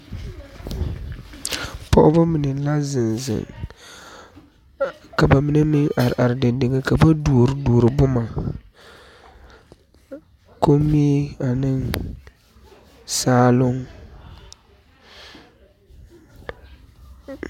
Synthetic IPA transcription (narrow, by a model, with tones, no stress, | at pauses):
pɔ̰˦ʔʊ˦ba˦mi˨nɛ˨la˦zɪ˨nzɪ̰˨ŋ | ka˨ba˨mi˦nɛ˦mɪ˦ʔa˨ɾɪ̰˨ʔa˨ɾɪ˨dɪ˨ndɪ˨ɡɛ˦ka˨ba˦du˨ɾdu˨ɾɪ˨bʊ˦ma˨ | ko˦mːi˦a˨nɨ˦ŋ | saː˦lʊ˦ŋ